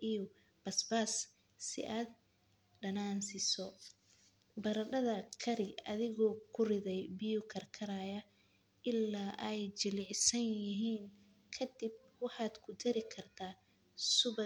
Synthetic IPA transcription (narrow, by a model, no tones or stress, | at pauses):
ʔijɔ | b̥ɐsbaːs | sɪ̰ʔaːd̪ | ɖɐnaːnsɪsɔ | bɐɾɐɖɐðɐkʰɐɾɪɐðɪɣɔkʰʊrɪðɛjbɪjʊkʰɐrkʰɐɾaːjɐ | ʔɪlːaːʔɛjt͡ʃɪlɪʕsɐnjɪɦiːn | kʰɐd̪ɪb̚wɑħɑːd̪kʰʊd̪ɐɾɪkʰɐrt̪ʰaː | sʊβ